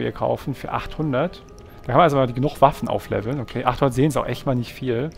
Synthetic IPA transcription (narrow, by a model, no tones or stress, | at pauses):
ḭːɐkʰa̰ʊfn̩fyːɐʔa̰χthʊndɐt | d̥akʰanmanalzomːdiɡənʊxv̥afn̩ʔa̰ʊflɛ̰vl̩nʔokʰeːʔa̰χthʊndɐtzeːns̬aʊxʔɛ̰çtmaːlnɪçtfiːl